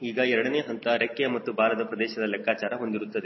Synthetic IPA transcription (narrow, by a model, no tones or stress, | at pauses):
iːɡɐɛɾɐɽɐneːɦɐnt̪ɐɾekːjɐmɐt̪ːubaːlɐd̪ɐpɾɐd̪ɛːʃɐd̪ɐlɛkːaːt͡ʃaːɾɐɦo̞nd̪iɾut̪ːɐd̪e̞